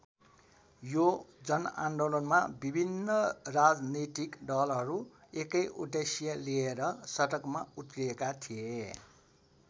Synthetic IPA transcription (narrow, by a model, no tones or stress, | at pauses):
jod͡zʌna̰ɳɖolʌnmabibʱinːʌrad͡zniʈikɖʌlɦʌɾu | ekʌjʔoʈesijʌlieɾʌsʌʈʌkmaut̪riekat̪ʰie